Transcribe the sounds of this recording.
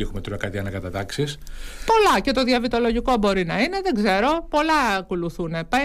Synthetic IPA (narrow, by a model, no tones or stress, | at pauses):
ixumet̪uɾɐkɐt̪iɐnɐkɐt̪ɐt̪ɐksispo̞lɐce̞t̪o̞ðiɐvit̪o̞lo̞ʝiko̞bo̞ɾinɐine̞ðeɡze̞ɾo̞po̞lɐːkoluθunepe